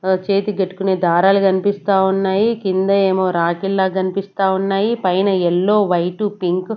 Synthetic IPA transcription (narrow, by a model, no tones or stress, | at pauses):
t͡ʃeːt̪iɡɐʈːu̥kune̞ːd̪aːɾaːlukɐnipist̪aːunːaːjikind̪ɐe̞ːmo̞ːɾaːkilːaːkɐnipist̪aːunːaːjipɐjnɐɛlːo̞ːʋɐjʈupiŋk